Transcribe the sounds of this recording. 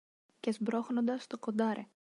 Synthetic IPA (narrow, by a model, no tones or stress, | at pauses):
cezbɾoxno̞nd̪ɐst̪o̞ko̞nd̪ɐɾʔe